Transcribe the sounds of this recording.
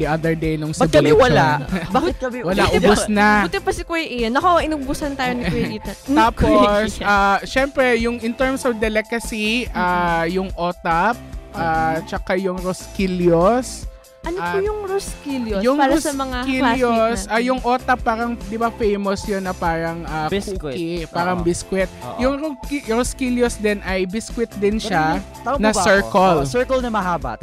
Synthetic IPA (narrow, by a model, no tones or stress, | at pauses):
d̪iʔɐd̪ɛɹd̪ejnʊŋsɐbwlaʔbt̪ɐbwɐlaʔʊʊsnɐbut̪ɪpɐsɪkwojʔɪnɐkoɪnʊbʊsɐnt̪aːjonikwɛd̪it̪ɐt̪aːposʔaːʃɛmpɾɛjʊŋʔɪnt̪ɛɹmsɐfd̪ɛlɛkɐsiʔaːjʊŋʔoːt̪ɐp̚ʔaːt͡ʃɐkajʊŋɾoskiljos | ɐnoajʊŋɾʊskiljojʊŋaɾʊsɐmɐŋakiljosajʊŋʔoːt̪ɐpːaːɾɐŋd̪ɪbafejmosjonːɐpaːɾɐŋʔakukɪpaːɾɐŋbɪskwɪt̪̚jʊŋɾokɾoskiljosd̪ɛnɐjbɪskwɪt̪̚d̪ɪnʃa | nɐsɛɹkolsɛɹkɐlnɐmɐɦaːbɐ̰t̪